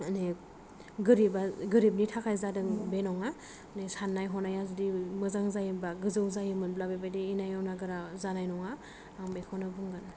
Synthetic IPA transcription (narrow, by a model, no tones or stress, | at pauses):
ane | ɡɯɾibaɡɯɾib̚nitʰakʰajzadɯŋbenɔŋa | nesanːajɦɔnajazudimɯzaŋzajɯnbaɡɯzɯwzajɯmɯnblabajbajdiinajawnaɡɯɾazanajnɔŋaː | ŋbekʰɔnɯbɯŋɡan